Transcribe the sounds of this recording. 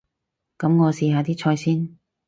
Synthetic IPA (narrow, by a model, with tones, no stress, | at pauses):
kɐ˨˥mŋɔː˨˧siː˨˧haː˨˧t̪iː˥t͡ʃʰɔː˧jsiː˥n